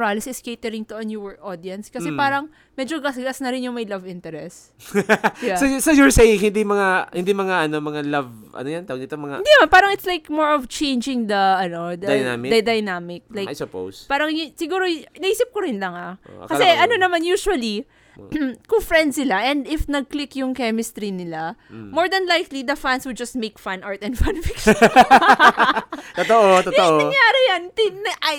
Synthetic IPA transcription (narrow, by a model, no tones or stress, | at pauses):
ɾalɪsɪskejt̪ɛɾɪŋt̪oʔɐnjuwɛɹʔod̪iɐnskɐsɛpaːɾɐŋ | mɛd͡ʒoɡɐsɡasnɐɾɪnjʊŋmɐjlɐvɪnt̪ɛɾɛs | jasojsojɔɹsejɪŋhɪnd̪imɐŋahɪ̰̃nd̪imɐŋaʔɐnomɐŋalɐvʔɐ̰nojant̪aɐwɡ̪nit̪omɐŋaɪnd̪inɐmanpaːɾɐŋɪt̪slajkmoɹɔvt͡ʃẽjnd͡ʒɪ̃ŋd̪ɐɐno̞d̪ɐjna̰mɪd̪ɐd̪ɐjnamɪk̚laja̰jsʊpo̰wspaːɾɐŋjsɪɡuːɾonɐʔiːsɪp̚koɾɪnlɐŋaʔkɐɛʔɐnonɐmanjuːʃuɐli | kʊŋfɾɛnd̪sɪlaʔɛ̃nd̪ɪfnɐɡ̚klɪkjʊŋkɛmɪst̪ɾinɪlamoɹd̪ɐnlajklid̪ɐfãnswɪd̪̚d͡ʒɐst̪̚mejkfanʔaɹt̪ɛnd̪fãnfɪkʃ | t̪ot̪oʔot̪oʔoŋjaːɾɪjant̪ɪnʔ